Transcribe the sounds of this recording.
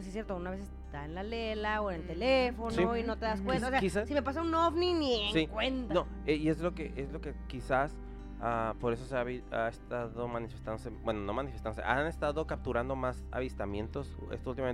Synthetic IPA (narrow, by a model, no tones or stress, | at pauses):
sies̬jeɾt̪ounaβe̞seset̪aenlalelaoenelt̪e̞lefo̞nsioino̞t̪e̞ðaskwennaoseaisasime̞pas̬aunofninieŋsikwent̪ano | eie̞zlo̞keʔezlo̞ke̞kisas | apo̞ɾe̞soseaβiaest̪aðo̞mãnifest̪and̪osebwenono̞manifest̪andoseʔanest̪aðo̞kap̚t̪uɾand̪o̞masa̰βist̪amjẽ̞nt̪o̞sḛst̪oult̪imame